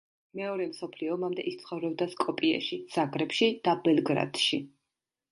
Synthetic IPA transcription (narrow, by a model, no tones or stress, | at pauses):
mɛɔɾɛmsɔpʰliɔmamd̪ɛʔist̪sʰχɔvɾɔbd̪askʼɔpʼiɛ̰ʃisaɡɾɛpʃid̪̥abɛlˠɡɾa̰d̪̥ʃi